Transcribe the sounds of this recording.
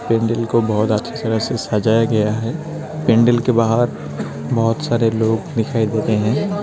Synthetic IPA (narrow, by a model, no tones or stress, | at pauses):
pẽːɳɖəlkobɐɦʊt̪ətːʃʰet̪ɐɾəɦsesad͡ʒaːjaɡɐjaɦɛː | pẽːɳɖəlkebaːɦəɾ | bɔɦʊt̪saːɾeloːɡd̪ɪkʰaːid̪eːt̪eɦɛ̃ː